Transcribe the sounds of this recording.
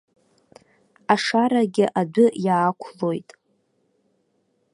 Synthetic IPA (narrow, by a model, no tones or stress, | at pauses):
aʂaɾaɡʲɪʔadʊjaːkʷʰlo̞jtʼ